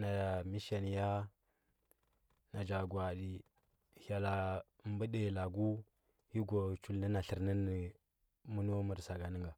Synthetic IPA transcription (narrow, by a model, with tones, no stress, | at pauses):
na˨mi˦ʃa˨n˨ja˦ | na˨d͡ʒa˨ɡwa˨di˨ | ha˨la˨ | mbə˦de˨la˨ɡu˦ | hi˦ɡo˨t͡ʃu˨lnə˦na˨ɬə˨ɾnə˦ni˨ | mu˦n˦o˦mə˨ɾsa˨ɡa˨nə˦ŋɡa˨